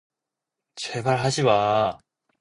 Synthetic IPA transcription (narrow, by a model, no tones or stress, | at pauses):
t͡ɕebaɭɦaɕʰiwa